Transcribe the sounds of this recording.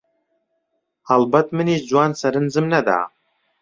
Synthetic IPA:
albɐt̪ʰmɨnizd͡ʒwaːnsɐɾɨnzɨmnad̪a̰ʕ

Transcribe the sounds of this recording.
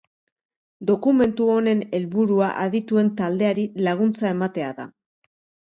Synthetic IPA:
d̪o̞kume̞nt̪uo̞ne̞ne̞lβuɾuaʔaðit̪ue̞nt̪ald̪e̞aɾilaɣ̞unt͡sae̞mat̪e̞aða̰

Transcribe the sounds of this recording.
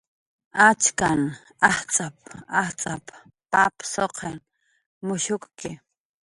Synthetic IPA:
at͡ʃkan | aht͡sʼap̚aht͡sʼap | papsoqʰen | mʊʃʊkkɪ

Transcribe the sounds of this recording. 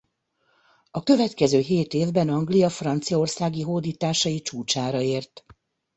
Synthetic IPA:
ɒkø̞vɛt̪kɛzøːɦeːt̪eːvbɛnɒŋɡlijɒfrɒnt̪sijɒo̞rsaːɡiɦoːd̪iːt̪aːʃɒit͡ʃuːt͡ʃaːɾɒeːrt̪

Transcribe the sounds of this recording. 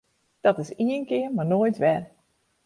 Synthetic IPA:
d̥ɔtɪsiənkɪərmarnoːjtʋɛr

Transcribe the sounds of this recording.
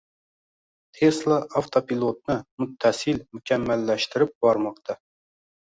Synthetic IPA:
t̪ʰeslˠɑʔɑft̪ʰopilˠot̪̚nɨmut̪ʰːɛsɨlmukʲʰɛmːælːɛʃt̪ɪɾɪp̚b̥ɑɾmɑqt̪ʰɑ

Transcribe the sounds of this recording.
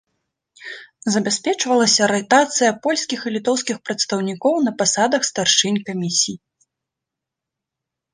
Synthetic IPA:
zɐbʲasʲpʲɛt͡ʂvɐlˠɐsʲɐɾɛt̪at̪sɨjɐpɔlʲsʲkʲixilʲit̪ɔwskʲixpɾɐt̪st̪ɐwnʲikɔwnɐpasad̪ɐxst̪arʂɨnʲkamʲisʲij

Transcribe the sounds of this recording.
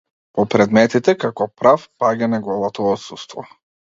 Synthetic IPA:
pɔpɾɛd̪mɛt̪it̪ɛkakɔpɾafpaɡanaɡˠɔlˠat̪ɔːt̪sust̪vɔ̰

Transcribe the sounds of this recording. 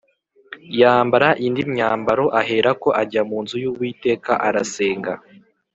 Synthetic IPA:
jaːmbaɾaʔindimɲaːmbaɾo̞ʔaɦe̞ːɾako̞ʔaɟamuːnzujuːβwiːte̞ːkaʔaɾase̞ːŋɡa

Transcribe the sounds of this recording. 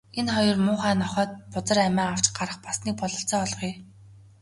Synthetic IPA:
enχɔjɞ̆rmʊːχaːnɔχɔːt̪̚pʊt͡sə̆ræmæːaw̥t͡ɕɢaɾə̆χpasniːk̚pɔɮɞ̆ɬt͡sɔːɮʁiː

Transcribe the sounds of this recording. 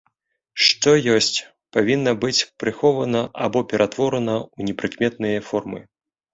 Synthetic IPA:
ʂt̪ɔjɔsʲt͡sʲ | pavʲinːɐbɨt͡sʲpɾɨxɔvɐnɐʔa̰bɔpʲɛɾʔat̪vɔɾɐnɐunʲɛpɾɨkmʲɛt̪nɨjɐfɔrmɨ̰

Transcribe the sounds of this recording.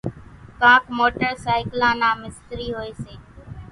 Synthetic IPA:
kãːkmoːʈəɾsaːɪklãːnãːmɪst̪ɾiːɦoːeːseː

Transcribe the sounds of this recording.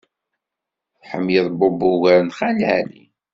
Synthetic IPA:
θħə̰mjəðˤbobʊɣæɾnχælhælḭ

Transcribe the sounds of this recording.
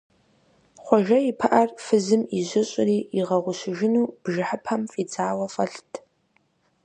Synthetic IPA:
χʷɔʒɐipʰɐʔɐrfɨzɨmiʒʷɪɕʼɪriːiʁɐʁʷʊɕɪʒɪnuːb̥ʒɪħəpʰɐmfʼid͡zaːwɐfɐɬtʰ

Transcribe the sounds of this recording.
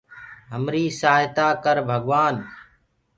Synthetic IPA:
ɦəmɾiːsaːɦɪt̪aːkəɾbʱəɡʋaːn

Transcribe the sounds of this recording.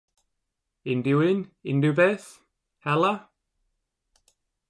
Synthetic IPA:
ɪnduɪnɪndubɛθ | hɛlə

